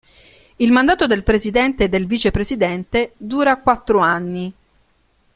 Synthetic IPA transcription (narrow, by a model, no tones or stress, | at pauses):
ilmand̪aːt̪od̪elpɾezid̪ɛnt̪ed̪ːelviːt͡ʃepɾezid̪ɛnt̪ed̪uːɾakwat̪ːɾoanːi